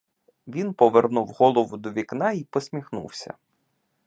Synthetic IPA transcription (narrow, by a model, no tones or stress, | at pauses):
ʋʲinpɔʋernuwɦɔlˠɔʋʊd̪ɔʋʲiknɑipɔsʲmʲixnṵwsʲɐ̰